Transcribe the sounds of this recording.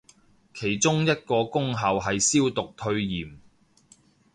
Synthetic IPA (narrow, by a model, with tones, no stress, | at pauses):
kʰe˨˩jt͡sʊ˥ŋjɐ˥t̚kɔː˧kʊ˥ŋɦɐ˨˧wɦɐ˨jsiː˥wt̪ʊ˨k̚t̪ʰɵ˧ɥjiː˨˩m